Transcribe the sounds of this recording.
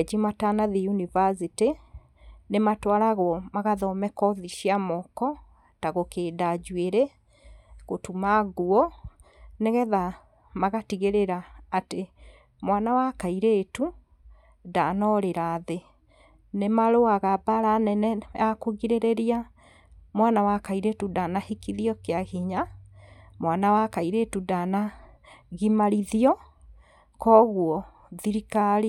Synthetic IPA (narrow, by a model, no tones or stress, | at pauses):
d͡ʑimatanaðijunivasiti | nematwaɾaɣwɔmaɣaðɔmɛkɔðiʃiamɔkɔ | taɣokeːdad͡ʑweɾɛ | ɣotumaɣuɔ | neɣɛða | maɣatiɣeɾeɾaːte | mwanawakaiɾetu | danɔɾeɾaðe | nemaɾoaɣabaɾanɛnɛjakoɣiɾeɾeɾia | mwanawakaiɾetudanahikiðiɔkeaɣiɲa | mwanawakaiɾetudana | ɣimaɾiðiɔ | kɔːɣuɔ | ðiɾikaɾi